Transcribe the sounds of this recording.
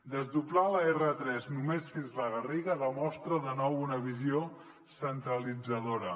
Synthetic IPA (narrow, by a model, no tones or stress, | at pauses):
d̪əzðuplaləerət̪ɾɛznumesfinzləɣ̞əriɣələmɔst̪ɾəðənɔwunəβizio | sənt̪ɾəlid͡zəðoɾə